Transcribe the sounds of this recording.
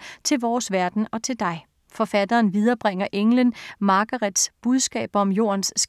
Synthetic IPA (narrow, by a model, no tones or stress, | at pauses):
t͡sʰe̝lʋɒːsʋæɐd̥n̩ɒ̽t͡sʰe̝ld̥ɑ̈ɪ | fɒ̽fæd̥ɐːnʋið̞ˠɐːb̥ʁaŋ̰ɐʔeŋlənmɑ̈ɡ̥ɐʁed̥sb̥uð̞ˠsɡ̥ɛ̰ːb̥ɒ̽mjo̝̰ːɐnsː